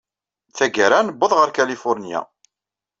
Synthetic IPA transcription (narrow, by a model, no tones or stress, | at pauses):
θæɡəɾanəbːəðˤʁəɾkælifʊɾnja̰